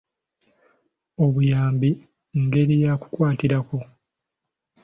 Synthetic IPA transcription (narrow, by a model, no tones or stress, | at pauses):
o̞βujaːmbi | ŋɡe̞ɾijaku̥kwaːtiɾako̞